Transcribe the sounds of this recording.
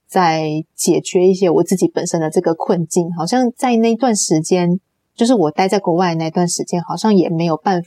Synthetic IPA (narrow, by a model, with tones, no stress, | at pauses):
t͡sa˥˩ɪt͡ɕjɛ˨˩t͡ɕɥɛ˧˥i˥˩ɕjɛ˧˥wɔ˨˩t͡sɹ̩˥˩t͡ɕi˧˥pə˨˩nʂə˥nd̪ə˨ʈ͡ʂɤ˥˩ɡə˩kʰwə˥˧nt͡ɕi˥˩nxɑ˨˩ʊɕjɑ˥˧ŋt͡sa˥˧ɪna˥˩i˧˥t̪wa˥˩nʂɻ̩˧˥t͡ɕjɛ˥n | t͡ɕjo˥˧ʂ̬ɻ̩˥˩wɔ˨˩t̪a˥˧ɪt͡sa˥˧ɪkwɔ˧˥wa˥˩ɪ˦na˥˩˧i˧˥t̪wa˥˩nʂɻ̩˧˥t͡ɕjɛ˥nxɑ˨˩ʊɕjɑ˥˩ŋjɛ˨˩me˧˥ɪjo˨˩ʊpa˥˩nf